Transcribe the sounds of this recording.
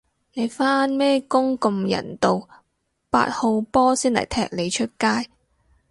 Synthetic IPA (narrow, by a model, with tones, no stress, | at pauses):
ne˨˧jfaː˥nmɛː˥kʊ˥ŋkʊ˧mjɐ̰˨˩nt̪o˨˧w | pa̰ː˧˥t̚ho˧wpɔː˥siː˥nlɐ̰˨˩jt̪ʰɛ̰ː˧k̚le˨˧jt͡ʃʰɵ˥t̚kaː˥j